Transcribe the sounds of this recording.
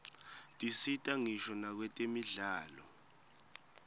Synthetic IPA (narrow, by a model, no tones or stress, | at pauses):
tʼisitʼaŋiʃɔnak̬wɛtʼemiɮaːlɔ